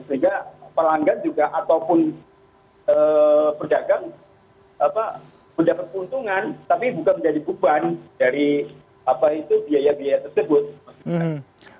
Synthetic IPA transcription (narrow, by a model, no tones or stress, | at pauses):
səiŋɡapəlaŋɡaŋd͡ʒuɡaʔat̪awpʊn | əːpərd͡ʒaɡaŋ | apa | məd͡ʒapat̪̚pəunt̪uŋant̪apibukanməɲd͡ʒadibubandaɾi | apait̪ubiajabiajat̪ərsəbʊt̪̚mast̪ika